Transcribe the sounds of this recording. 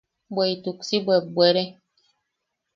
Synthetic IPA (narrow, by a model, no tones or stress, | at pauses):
bɛituksibwɛbwɛɾɛ